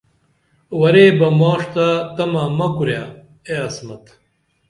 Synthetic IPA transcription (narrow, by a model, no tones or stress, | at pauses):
wɐɾebɐmoːʂt̪at̪ɐmɐmɐkuɾja | eɐsmɐt̪